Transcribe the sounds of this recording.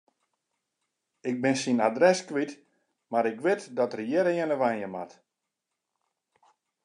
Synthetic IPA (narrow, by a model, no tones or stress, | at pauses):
ɪk̚bɪnsinadrɛskʋit | maɾɪkʋɪtdɔtərjɛɾəjɛnəʋajnjəma̰t